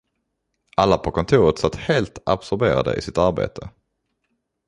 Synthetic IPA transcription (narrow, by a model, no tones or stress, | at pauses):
ʔalːapʰɔkʰɔnt̪ʰuːɾət̪sat̪ːheːlt̪absɔɾbeːɾa̰d̪ə̰ʔɪsɪt̪aɾbḛːt̪ʰə